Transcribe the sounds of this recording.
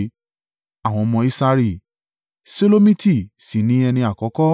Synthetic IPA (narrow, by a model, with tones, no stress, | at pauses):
a˦˨w̃ɔ̃˧mɔ̃˧i˦sa˧ɾi˦˧˨ | se˦lo˦mĩ˦ti˦˨si˨nĩ˨˦ɛ˧nĩ˧a˨kɔ˨˦kɔ˦